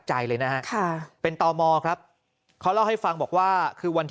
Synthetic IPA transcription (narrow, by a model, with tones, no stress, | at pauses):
t̚t͡ɕa˧jlɤː˧jna˦˥ɦa˦˥ʔkʰa˥˩pe˧nt̪ɔː˧mɔː˧kʰɾa˦˥p̚ | kʰa˦˥˩wla˥˩wha˥˩jfa˧ŋbɔː˨˩k̚waː˥˩kʰɯː˧wa˧nt̪ʰ